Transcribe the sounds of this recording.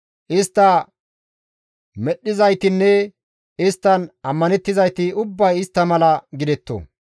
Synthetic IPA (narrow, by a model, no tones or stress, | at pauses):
ʔɪst̪ːɐ | mɛɗːɪzɐjt̪ɪnːɛ | ɪst̪ːɐnɐmːɐnɛt̪ːɪzɐjt̪ɪʊbːɐjɪst̪ːɐmɐlɐɡɪd̪ɛt̪ːo̰